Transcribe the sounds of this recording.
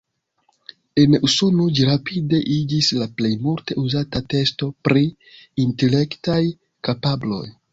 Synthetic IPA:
e̞nuso̞no̞d͡ʒiɾapide̞ʔid͡ʒislaple̞jmulte̞ʔuzatate̞sto̞pɾi | inte̞le̞ktaj | kapablo̞̰j

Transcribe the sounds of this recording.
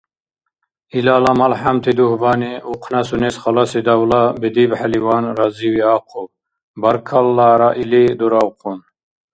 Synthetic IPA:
ilɑːlɐmɐlħamt̪ʰid̪uhbɑːniuqʰnasunesχɑlasid̪ɐwlɑbid̪ibħaliwɑːnɾaziwiɑːqʰub | bɐɾkʰɐlːɑːɾaʔilid̪uɾɑwqʰun

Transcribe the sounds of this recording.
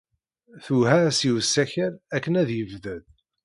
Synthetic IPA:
θuɦæsiwəsːæçəɾækːənæðjəvðæð

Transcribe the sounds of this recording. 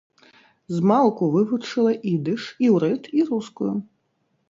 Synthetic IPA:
zmalˠkuvɨvut͡ʂɨlˠɐʔid̪ɨʂiwɾɛt̪iɾuskuju

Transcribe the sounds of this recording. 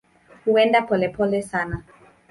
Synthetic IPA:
huɛndapɔlɛpɔlɛsana

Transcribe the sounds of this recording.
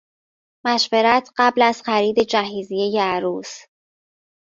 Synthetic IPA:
mæʃve̞ɾæt̪ʰɢæblæz̥xæɾiːd̪e̞d͡ʒæɦiːzijejeæɾuːs

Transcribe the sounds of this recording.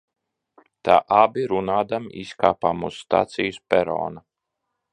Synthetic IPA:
t̪a̰ːʔabiɾunaːd̪amiskaːpaːmṵsːt̪a̰ːt̪sijuspʲɛɾɔ̰ːna

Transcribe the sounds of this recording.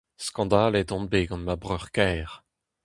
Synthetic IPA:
skɑ̃d̪aːled̪ɔ̃nbeɡɑ̃nmabʁœʁkɛːʁ

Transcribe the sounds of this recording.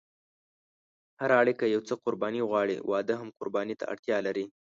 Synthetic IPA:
haɾɑɽikəjawt͡səqʊɾbɑniɣwɑɽḭwʔɑd̪əɦamqʊɾbɑnit̪a̰a̰ɽt̪jɑlaɾi

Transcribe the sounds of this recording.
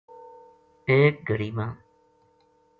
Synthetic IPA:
peːk̚ɡʱəɽiːmãː

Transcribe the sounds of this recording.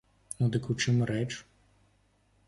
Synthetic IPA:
nud̪ɪkut͡ʃɪmɾɛt͡ʃ

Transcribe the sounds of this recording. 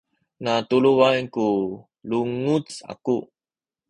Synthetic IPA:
nat̪uluanku | luŋut͡sa̰ku

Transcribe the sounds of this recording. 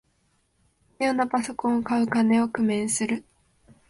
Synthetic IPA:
jonapaso̞kõ̞ɰ̃okaɯ̟kane̞o̞kɯ̟mẽ̞ɰ̃sɨɾɯ̟

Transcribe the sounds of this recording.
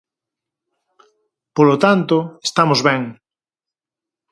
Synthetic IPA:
polot̪ant̪oest̪amozβɛ̃ŋ

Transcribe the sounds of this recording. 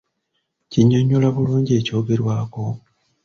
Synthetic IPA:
ciɲːoɲːulaβuluːɲɟe̞ːco̞ːɡe̞ɾwaːko̞

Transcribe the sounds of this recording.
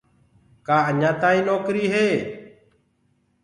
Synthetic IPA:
kaːəɲãːt̪aːĩːnoːkɾiːɦeː

